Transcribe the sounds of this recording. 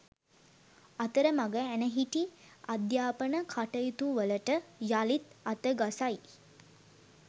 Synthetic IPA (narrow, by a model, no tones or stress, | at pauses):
at̪əɾəmaɡəænəɦiʈiad̪jaːpənəkʰaʈəjit̪uʋələʈəjalit̪at̪əɡasaj